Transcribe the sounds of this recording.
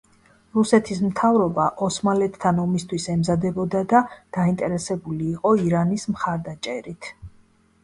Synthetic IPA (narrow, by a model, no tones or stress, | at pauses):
ɾusɛt̪ʰismt̪ʰavɾɔbaʔɔsmalɛt̪ʰːanɔmist̪ʰwisɛmzad̪ɛbɔd̪ad̪ad̪̥aint̪ʼɛɾɛsɛbuliːqʼɔiɾanismχaɾd̪at͡ʃʼɛɾit̪ʰ